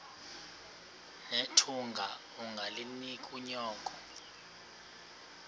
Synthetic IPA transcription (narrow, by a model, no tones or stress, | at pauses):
netʰuŋɡʱa | uŋɡʱalinikʼuɲɔːkʼɔ